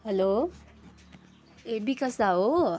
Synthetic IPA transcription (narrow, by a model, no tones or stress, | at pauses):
hɛlo | ebikʌsaɦo